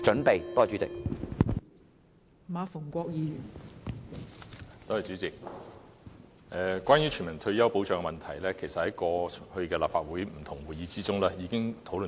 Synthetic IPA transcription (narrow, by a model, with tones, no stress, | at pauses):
t͡ʃɵ˨˥npe˨jt̪ɔː˥˩t͡ʃy˨˦˥t͡sɪ̰˨k̚ | maː˨˧fʊ˨˩ŋkʷɔː˧k̚jiː˨˧jyː˨˩n | t̪o˥hɐ˨jt͡ʃyː˨˥t͡sɪ˨k̚ | ʔɛː˨˧kʷwaː˥njy˨˥t͡ʃʰyː˨˩nmɐ˨˩ŋt̪ʰɵ˧ɥjɐ˥wpo˨˥wt͡ʃœː˧ŋɛ˧mɐ˨nt̪ʰɐ˨˩jlɛː˥kʰe˨˩jsɐ˨t̚hɐ˨˥jkɔː˧hɵ˧ɥkɛː˧laː˨p̚faː˧t̚wuː˨˥jm̩˨˩t̪ʰʊ˨˩ŋwuː˨˩jiː˨˧t͡siː˥t͡sʊ˥ŋlɛː˥jiː˨˧kɪ˥ŋt̪ʰo˨˥wlɵ˨